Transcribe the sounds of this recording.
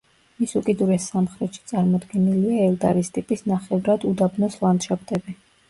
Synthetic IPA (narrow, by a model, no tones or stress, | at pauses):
misukʼid̪uɾɛsːamχɾɛt̪ʃi̥t̪sʼaɾmɔd̪ɡɛniliaɛlˠd̪aɾist̪ʼipʼisnaχɛvɾad̪ud̪abnɔslˠand̪ʃap̚ʰt̪ʼɛbi